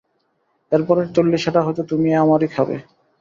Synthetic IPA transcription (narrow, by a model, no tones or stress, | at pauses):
eɾpɔɾeɾt͡ɕolːiʃaʈaɦɔjt̪ot̪umiamaɾikhɔbḛ